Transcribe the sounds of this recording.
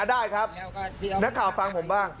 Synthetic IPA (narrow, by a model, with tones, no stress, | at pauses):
daː˥˩jkʰa˦˥p̚na˦˥kʰːaː˨˩wfa˧ŋpʰo˩˦mbaː˥˩ŋ